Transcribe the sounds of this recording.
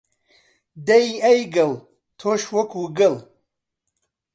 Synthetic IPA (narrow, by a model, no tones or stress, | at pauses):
d̪ɐjɐjɡɐl | t̪ʰoʃwɐkʰuɡəl